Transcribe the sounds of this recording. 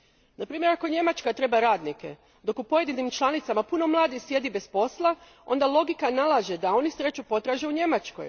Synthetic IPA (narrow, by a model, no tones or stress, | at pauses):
napɾiːmje̞ɾako̞ɲe̞mat͡ʃkat̪ɾe̞baɾaːd̪nike̞̰ | d̪o̞kupoje̞d̪inimt͡ʃlˠanit̪samapuno̞mlˠaːd̪ixsje̞d̪ibe̞spo̞slˠa | o̞̰nd̪alˠo̞ɡikanalˠaʒe̞d̪ao̞nisɾe̞t͡ɕupo̞t̪ɾaːʒeuɲe̞mat͡ʃko̞̰j